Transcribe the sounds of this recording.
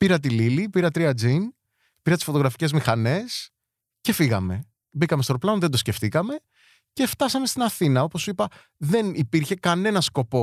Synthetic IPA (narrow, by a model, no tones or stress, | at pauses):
piɾɐt̪̬ililipiɾɐt̪ɾiɐd͡zin | piɾɐt̪isfo̞t̪o̞ɣɾɐfi̥ce̞zmixɐne̞s | ce̞fiɣɐ̰me̞ | bikɐmest̪oɾplɐonðend̪o̞sce̞ft̪ikɐme̞ | ce̞ft̪ɐsɐme̞st̪inɐθinɐo̞po̞suipɐ | ðe̞nipiɾçe̞kɐne̞nɐsko̞po̞